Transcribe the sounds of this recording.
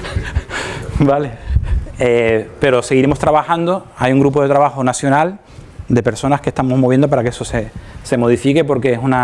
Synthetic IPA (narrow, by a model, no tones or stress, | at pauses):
bale̞ | epe̞ɾo̞se̞ɣiɾemo̞st̪ɾaβaxand̪o̞ajuŋɡɾupo̞ðe̞t̪ɾaβaxo̞nasjo̞nal | d̪e̞pe̞ɾso̞nahke̞st̪amo̞zmoβje̞nd̪o̞paɾakeesosese̞mo̞ð̞ifike̞po̞ɾke̞esuna